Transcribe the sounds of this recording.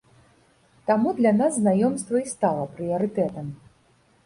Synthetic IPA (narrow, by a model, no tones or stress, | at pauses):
t̪amud̪lʲɐnasznajɔmst̪vɐist̪alˠɐpɾɨɐɾɨt̪ɛt̪ɐm